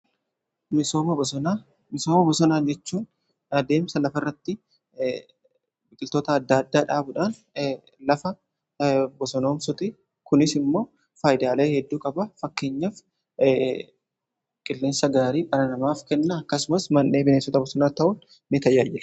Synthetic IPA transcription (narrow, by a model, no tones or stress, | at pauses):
mɪsoːɐbɔna | mɪsoːmɐbɔsɔnaːnd͡ʒɛt͡ʃːuːn | ɐd̪e̞ːmsɐlɐfɐrːɐt̪ːɪ | bɪkʼɪlt̪o̞ːt̪ɐːd̪ːɐɐd̪ːaːᶑaːbʊᶑaːn | lɐfɐ | bɔsɔno̞ːmsɔt̪ʼɪ | kʊnɪsɪmːo̞ː | faːjd̪aːle̞ːhɛd̪ːuːkʼɐbɐfɐkːe̞ːɲːɐf | kʼɪlːeːnsɐɡaːɾiːkʼɐɾɐnɐmaːfkɛnːɐːkːɐsʊmɐsmɐnːe̞ːbɪneːsɔt̪ɐbɔsɔnaːt̪ɐʔʊːn | nɪt̪ɐjaːjːɪ